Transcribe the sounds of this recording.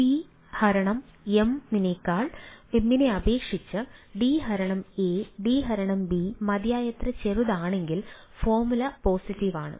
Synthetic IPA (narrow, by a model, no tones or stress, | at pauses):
pi | hɐɾɐɳɐmemːinekːaːɭemːineɐbe̞ːkʂit͡ɕːɨɖiɦɐɾɐɳɐmeːɖiːɦɐɾɐɳɐmbimɐd̪jaːjɐt̪rɐt͡ɕeruðaːɳe̞ŋɡil | foːmulɐpoːsiʈːiʋaːɳɨ̰